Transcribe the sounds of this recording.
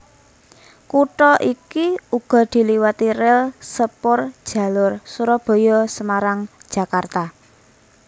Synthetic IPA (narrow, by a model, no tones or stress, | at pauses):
kuʈɔʔikiuɡ̥ɔ̤d̪̥i̤liwat̪iɾɪlsəpʊrd̥ʒ̥ä̤lʊrsuɾɔb̥ɔ̤jɔsəmaɾaŋd̥ʒ̥a̤kart̪a